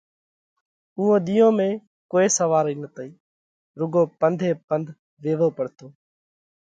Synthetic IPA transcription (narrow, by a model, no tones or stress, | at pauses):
ʊɦõːɗ̪ijõːmẽː | koːeːsəʋaːɾiːnət̪əiː | ɾʊɡõːpənd̪ʱeːpənd̪ʱ | ʋeːʋoːpəɽt̪ʰoː